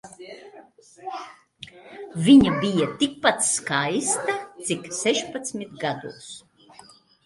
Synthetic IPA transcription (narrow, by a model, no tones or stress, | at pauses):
viɲabijat̪ik̚pat̪sskajst̪at̪siksɛʃpat̪smʲit̪ɡad̪ṵːs